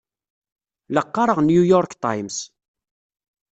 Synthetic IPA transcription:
ləqːɑɾˤəʁnjujɔɾkt̪ˤɑjms

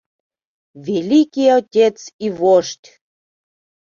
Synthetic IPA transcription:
vʲelikʲijot̪ʲet͡sivoʃt̪ʲ

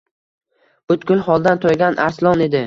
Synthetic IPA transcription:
bʊt̪kʲʊlˠhɒlˠd̪ant̪ʰojɡʲanʔa̰ɾslˠɒne̞d̪ɪ

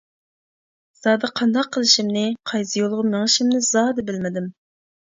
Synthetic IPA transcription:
z̥ɑːd̪ɨqʰɑnd̪ɑqʰːəlˠɨʃimnɪqʰɑjzɨjolˠʁʊmeŋɨʃimnɪzɑːd̪ɨbɪlmɪd̪ɪm

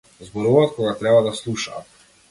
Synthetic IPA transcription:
zbɔɾuvat̪̚kɔɡat̪ɾɛbad̪aslˠuʃaːt̪

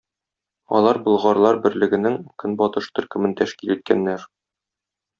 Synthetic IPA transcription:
ɒ̰lˠɑɾbɤ̆lˠʁɑɾlˠɑɾbɘ̆ɾlɘ̆ɡɘ̆nɘŋkɵnbɒt̪ɤʃt̪ɵ̆ɾkɘ̆mɘnt̪æʃkilit̪̚kænːæɾ

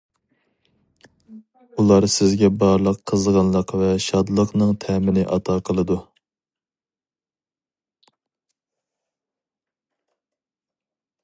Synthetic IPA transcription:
ulˠɑɾsɪzɡʲɛbɑɾlˠəqʰːəzʁɑnlˠəqvɛʃɑd̪lˠəqnɨŋt̪ʰɛmɪnɪʔɑt̪ʰɑqʰəlˠɨd̪u

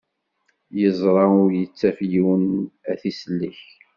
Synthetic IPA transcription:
jəzˤɾˤɑʊɾjət͡sːæfjiwənæθislːiç

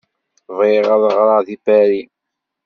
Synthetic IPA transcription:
viʁɑðˤəʁɾˤɑðibæɾi

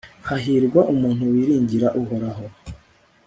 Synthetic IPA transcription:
haɦiɾɡwaʔumuːn̥huwiɾiːɲɟiɾaʔuɦoɾaɦo

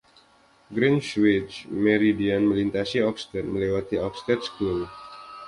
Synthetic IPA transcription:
ɡɾinswit͡ʃməɾidianməlint̪asiɔkst̪ɛt̪̚məlewat̪iɔkst̪ɛt̪̚sklub

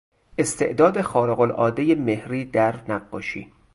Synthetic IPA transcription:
ʔe̞st̪ʰe̞̰ʔd̪ɒːd̪exɒːɾeɣolʔɒ̰ːd̪e̞jemehɾiːd̪æɾnæɢːɒːʃḭː

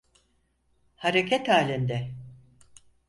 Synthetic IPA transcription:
haɾecʰɛt̪haːlʲind̪ɛ

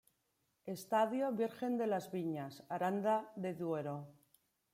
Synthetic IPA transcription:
e̞st̪aðjo̞βiɾxe̞nd̪e̞lazβiɲasaɾand̪aðe̞ðwe̞ɾo

